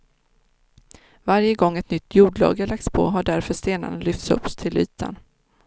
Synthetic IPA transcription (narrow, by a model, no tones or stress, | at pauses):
vaɾjəɡɔŋːɛt̪nʏt̪ʰːjuːɖɭɑ̰ːɡəlak̚t̪spʰɔ̰ɦaɖæɾfœʂt̪eːna̰nəlʏft̪sɵ̰pːst̪ʰɪlʔyːt̪ʰa̰n